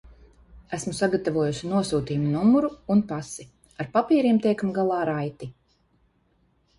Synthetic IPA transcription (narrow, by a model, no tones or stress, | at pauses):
æsmusaɡat̪avuɔjuʃinuɔsuːt̪iːmunumuɾuːnpasi | aɾpapiːɾiɛmt̪ɛjkamɡalˠɑːɾajt̪i